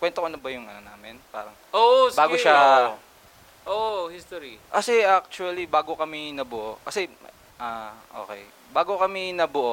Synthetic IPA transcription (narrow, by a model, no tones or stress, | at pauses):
kwɛnt̪oʔɐnobɐjʊŋʔɐ̰nonaːmɪnpa̰ːɾɐŋosbaːɡɡoʃa | ʔoʔhist̪oɾikɐsɛʔak̚t͡ʃuɐlibaːɡo̞kɐmɪnɐbʊʔokɐsɛ | ʔaʔo̰ːkɛj | baːɡokɐmɪnɐbʊʔo